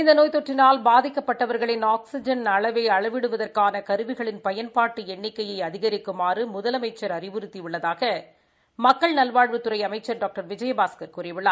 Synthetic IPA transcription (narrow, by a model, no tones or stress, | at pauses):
ɪnd̪ɐnoːjt̪ɔʈrɪnaːlbaːðɪkːɐpːɐʈːɐʋɐɾɣɐɭɪnaːksɪd͡ʒɐnɐɭɐʋɐɪɐɭɐʋɪɽɯʋɐðɐrkaːnɐkɐɾɯʋɪɣɐɭɪnpɐjɐnpaːʈːɯɛɳːɪkːɐjɐɪɐðɪɣɐɾɪkːɯmaːrɯmʊðɐlɐmɐɪt͡ʃːɐɾɐrɪʋɯɾɯt̪ːiʋɪɭːɐðaːɣɐ | mɐkːɐɭnɐlʋaːɭʋɯt̪ːɯɾɐɪɐmɐɪt͡ʃːɐɾɖaːk̚ʈɐɾʋɪd͡ʒɐjɐbaːskɐɾkuːɾɪjʋɪɭːaː